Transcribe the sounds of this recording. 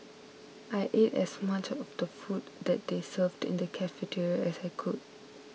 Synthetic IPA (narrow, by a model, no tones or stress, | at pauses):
ajʔetɛ̰smat͡ʃɔfdəfutdɛt̚desəvdḭ̃ndəkʰɛfetʰiɹɛsajkʰud̚